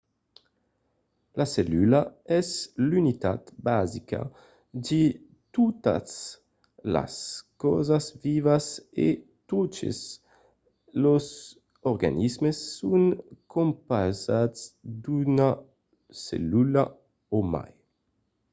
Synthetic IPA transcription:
laselylaɛzlynit̪at̪bazika̰ | di | t̪ut̪a̰s | la̰skɔ̰zasvivasḛ | t̪ot͡ʃḛs | loz | ɔɾɡa̰nizmesːuŋkʰompazasd̪una | sḛlyla | oma̰j

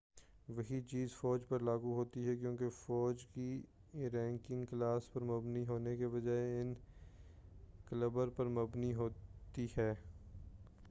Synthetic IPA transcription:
ʋɐɦit͡ʃiːzfɔːd͡ʒpɐɾlaːɡuɦoːt̪iɦɛkjõːkefɔːd͡ʒki | ɾɛ̃ːŋkɪ̃ŋɡklaːspɐɾmɐbniɦoːnekeʋɐd͡ʒaːeɪn | kləbəɾpɐɾmɐbniɦoːt̪ihɛː

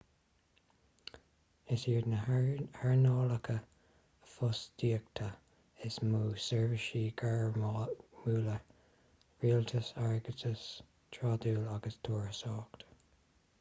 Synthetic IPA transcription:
ɪsjuːdnəhɛɹnɔːləkʰə | əfʊsd̥iːək̚t̪ʰa | ɪsmuːsɛɹvəʃiːɡaɹ | muːlə | ɹiːlt̪ʰəsaɹɡətʰəs | tʰɹɑːd̪uːlaɡəst̪ʰoːɹəsɔːkt̪

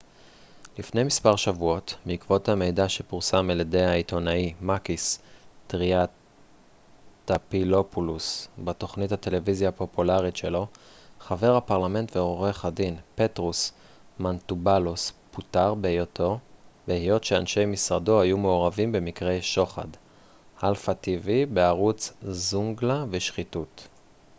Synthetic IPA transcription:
lifne̞jmispaʁʃavuo̞tmiːkvo̞thame̞jdaʃe̞puʁsamelede̞jhaito̞naimakistʁiat | tapilo̞pulusbato̞χnithate̞le̞vizijapo̞pulaʁitʃe̞lo̞χave̞ʁhapaʁlame̞ntveoʁeχadinpe̞tʁus | mantubalusputaʁbeejotʰo̞beijo̞tʃea̰nʃe̞jmisʁado̞hajumeoʁavimbe̞mikʁe̞jʃo̞χa̰d | halfativibeaʁut͡szuŋɡlaveʃχitut

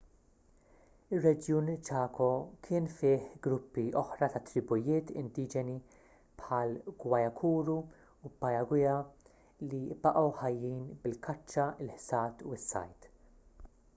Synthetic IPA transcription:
ɪrːɛd͡ʒjuːnt͡ʃɐːkɔkʰɪːnfɪːħɡɾʊpːiʔɔħɾɐt̪ɐt̪ːɾɪbʊjɪːt̪ɪ̰nd̪iːd͡ʒɛni | pħɐːlɡwɐjɐkʰuːɾuː | pːɐjɐɡwɪjɐ | libɐʔɐwħɐjːiːnbɪlkʰɐt͡ʃːɐɪlħsɐːt̪uɪsːɐ̰jt̪

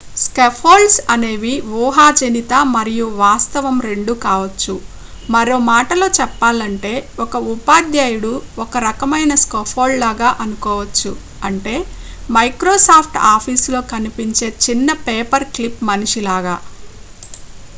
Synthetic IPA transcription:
skepʰoːlɖsɐne̞ːʋiʋuːɦaːd͡ʒɐnit̪ɐmɐɾijuʋaːst̪ɐʋɐmɾe̞ɳɖukaːʋɐt͡ʃːu | mɐɾoːmaːʈɐlo̞ːt͡ʃɛpːaːlɐɳʈe̞ːɔkɐupaːd̪jaːjuɽuɔkɐɾɐkɐmɐjnɐskopʰoːllaːɡaːʔɐnukɔːʋɐt͡ʃːu | ɐɳʈe̞ː | mɐjkɾoːsaːpʰʈaːpʰiːslo̞ːkɐnipiɲt͡ʃe̞ːt͡ʃinːɐpeːpɐɾklipmɐniʂilaːɡaː

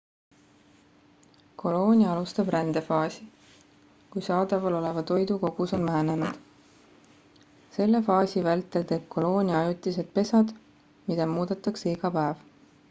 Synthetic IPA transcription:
kʰo̞lo̞ːnʲiɑɑlust̪ɑb̥rænd̪̥e̞fɑːsi | kujsɑːd̪ɑvɑlo̞le̞vɑt̪o̞jd̪uko̞ɡ̥uso̞nmæɦene̞nud̪̥ | se̞lːe̞fɑːsivælt̪ːˑe̞lt̪e̞ːb̥̚kʰo̞lo̞ːnʲiɑjut̪ˑːise̞d̪̥̚pe̞sɑd̪̥ | mid̪ɑmuːd̪et̪ːˑɑksiɡ̥ɑpæev

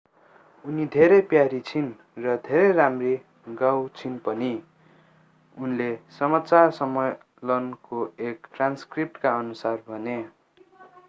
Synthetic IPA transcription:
unid̪ʱeɾʌpjaɾit͡sʰin | rʌd̪ʱeɾʌjramri | ɡawt͡sʰinpʌni | unlesʌmat͡sarsʌmʌj | lʌnkoekʈranskrip̚ʈkaʌnusarbʱʌne

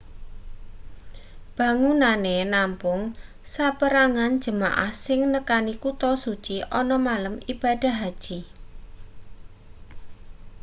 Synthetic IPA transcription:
b̥ä̤ŋunanenampʊŋ | sapəɾaŋan̥d͡ʒ̥ə̤ma̰ʔa̰hsɪŋnəkanikut̪ɔsut͡ʃiʔɔnɔmaləmib̥a̤d̥a̤ɦad̥ʒ̥i

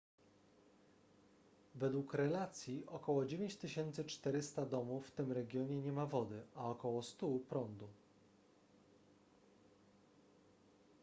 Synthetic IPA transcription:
vɛd̪wukɾɛlat̪sʲjiʔɔkɔwɔd͡ʑevʲẽɲt͡ɕt̪ɘɕɛnt̪sɘt͡ʂt̪ɛɾɘst̪ad̪ɔmufːt̪ɘmɾɛɡʲjɔɲɛɲɛmavɔd̪ɘʔaɔkɔwɔst̪upɾɔnd̪u

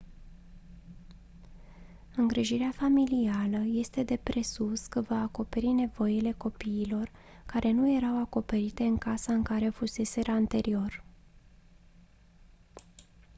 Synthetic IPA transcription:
ɨŋɡɾiʒiɾeafamilialəje̞st̪e̞d̪e̞pɾe̞suskəvaːko̞pe̞ɾine̞vo̞jile̞ko̞piːlo̞r | kaɾʔe̞nuje̞ɾawako̞pe̞ɾit̪e̞ɨŋkasaɨŋkaɾe̞fuse̞se̞ɾaant̪e̞ɾio̞r

